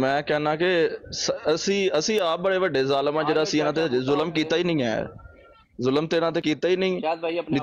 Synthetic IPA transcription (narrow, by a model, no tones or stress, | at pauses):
mɛ̃ːkɛːnãːkɪsəsĩːəsĩːaːp̚bəɽeːʋəɖːeːzaːlmãːd͡ʒeːɽaːəsĩːɪnãːt̪̬ezʊləmk̬iːt̪aːiːnəĩːɦɛ̰ː | zʊləmt̪eːnãːt̪̬eːkiːt̪aːiːnəĩː